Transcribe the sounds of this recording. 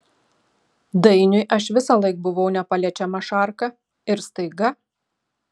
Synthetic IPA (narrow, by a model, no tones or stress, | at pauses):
d̪ɐɪnʲʊɪʔɐʃʋʲɪsɑlˠɐɪk̚bʊʋɐʊnʲɛpɐlʲɛt͡ʃʲɛmɐʃɑˑɾkɐ | ɪɾst̪ɐɪɡɐ